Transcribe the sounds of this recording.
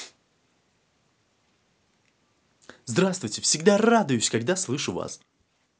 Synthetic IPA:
zd̪ɾast̪vʊjtʲɪfsʲɪɡd̪arad̪ʊjʊsʲkaɡ̚d̪aslˠɨʂʊva̰s

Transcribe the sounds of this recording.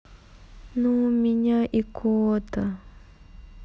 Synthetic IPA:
numiɲaʔikʰoːta

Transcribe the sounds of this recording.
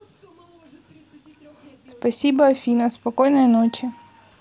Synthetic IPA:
spɐsʲibɐɔfʲinɐspɐkɔjnɔjinɔt͡ʃʲɪ

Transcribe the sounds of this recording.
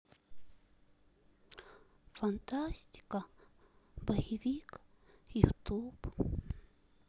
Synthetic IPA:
fant̪asʲt̪ʲi̥ka | bahivikjut̪ʰub

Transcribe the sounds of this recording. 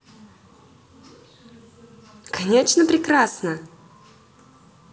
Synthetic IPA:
kʰɐnʲet͡ʂnəpɾʲɪkɾasnə

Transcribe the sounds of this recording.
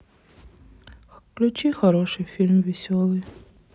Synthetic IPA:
klʲʊt͡ʃʲixɔɾɔʃɨjfʲilʲmʋʲisʲɔlˠɨj

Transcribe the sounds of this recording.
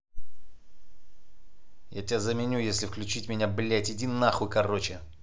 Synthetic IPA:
jatʲɪazəmʲɪnʲujesʲlʲɪfklʲʉt͡ɕitʲmʲɪnʲablʲetʲɪdʲinːaxʊkɐrot͡ɕɪ

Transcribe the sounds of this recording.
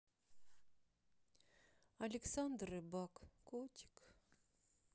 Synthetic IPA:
ɐlʲɪksand̪rɨbakːot̪ʲi̥k

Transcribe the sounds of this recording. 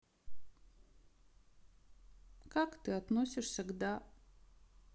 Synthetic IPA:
kakt̪ɨɐt̪nosʲɪʂsʲəɡd̪a

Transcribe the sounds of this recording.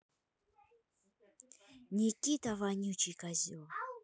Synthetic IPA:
nʲikʲit̪avanʲut͡ʃikazi

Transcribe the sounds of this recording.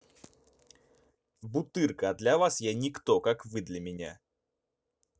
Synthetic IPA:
bʊt̪ɨrkəd̪lʲavasjanʲɪkt̪okakvɨd̪lʲɐmʲɪnʲa̰

